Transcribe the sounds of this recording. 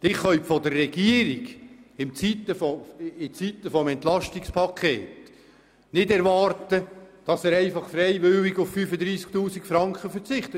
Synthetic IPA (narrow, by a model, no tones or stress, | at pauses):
d̥ɪχœɥpfɔdərːɛɡiəɾiɡɪmt͡sitːəfɔɪt͡sit̪əfɔmɛnt̪lɑʃtɪkspʰɑkʰḛːt | nɪdɛɾvɑɾtəd̥ɑsɛɾɛɪfɑχfrɾɛɪʋʏlɪɡʊffyːfəd̪ɾiːsk̚tuːsikfɾɑŋkχəfəɾt͡sɪχtə